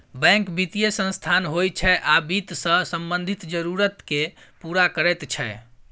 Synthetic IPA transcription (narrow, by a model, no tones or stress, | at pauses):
bɛ̃ŋkbit̪ijesə̃nst̪ʰanɦojt͡ʃʰɛʔabit̪sə̃səmbənd̪ʱit̪d͡ʒəɾuɾət̪kepuɾakəɾɛt̪t͡ʃʰɛ